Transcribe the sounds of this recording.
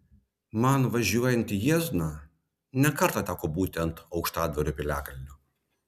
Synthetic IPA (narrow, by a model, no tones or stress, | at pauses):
mɐnʋɐʒʲuɔjɛnʲt̪ʲijiːznɑ | nʲɛkɐɾt̪ɑːt̪ʲæːkoːbuːt̪ʲɛnt̪ɒʊkʃt̪ɑːd̪ʋɐɾʲʊpʲɪlʲæːkɐlʲnʲʊ